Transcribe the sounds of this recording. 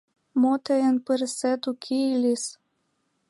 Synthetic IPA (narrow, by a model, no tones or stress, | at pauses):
mot̪əjənpəɾsæt̪ukʰeilis